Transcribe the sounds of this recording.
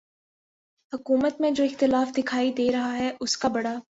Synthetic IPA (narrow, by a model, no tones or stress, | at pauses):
hʊkuːmət̪mẽd͡ʒoːɪxt̪ɪlaːfd̪ɪkʰaːid̪eːɾɐɦaɦɛʔʊskabɐɽaː